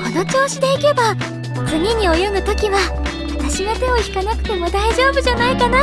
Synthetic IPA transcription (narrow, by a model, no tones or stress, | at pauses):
ko̞no̞t͡ɕo̞ːɕid̪e̞ike̞ba | t͡sɨɲʲiɲ̟io̞jonɯ̟t̪o̞kʲiβaβat̪aɕinat̪e̞o̞çi̥kanakɯ̥t̪e̞mo̞d̪aiʑo̞ːbɯ̟ʑanaikana